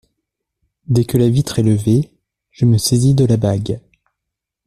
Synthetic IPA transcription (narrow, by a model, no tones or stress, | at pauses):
d̪ɛkəlavit̪χɛləve | ʒ̥əməsezid̪əlabaɡ